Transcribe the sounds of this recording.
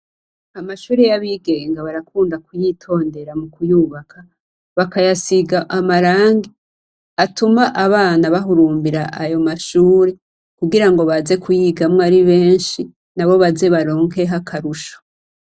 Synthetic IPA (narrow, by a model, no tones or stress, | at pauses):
amaʃuːɾejaβiːɡe̞ːŋɡaβaɾakuːndakujitʰo̞ːnde̞ɾamukujuːβakʰa | βakajasiɡaʔamaɾaːŋɡi | atumaʔaβaːnaβaɦuɾuːmbiɾaʔajo̞maʃuːɾe̞ | kuɡiɾaŋɡo̞βaze̞kʰujiːɡamŋoaɾiβe̞ːnʃi | naβo̞βaze̞βaɾo̞ːŋke̞ɦakʰaɾuʃo̥